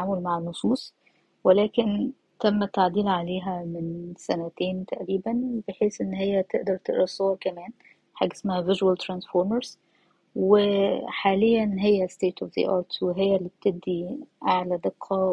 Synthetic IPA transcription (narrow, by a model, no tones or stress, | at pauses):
ʕaːmolmaʕenːosˤuːsˤ | welæːken | t̪æmːæt̪ːaʕd̪iːlʕaleːɦæmɪnsænæt̪eːnt̪æʔɾiːbænbeħeːsʔenːhejːæt̪eʔd̪ɑɾˤt̪eʔɾɑsˤːɑwɑɾˤkæmæːn | ħa̰ːɡæsmæhævɪʒwælt̪ɾænsfoːɾmɑɾz | wɪħaːlejːænɦejːæst̪eːt̪ufðḭʔɑːɾˤt̪weɦejːælːiːb̚t̪eb̚d̪iʔaʕlæd̪eqʰːɑ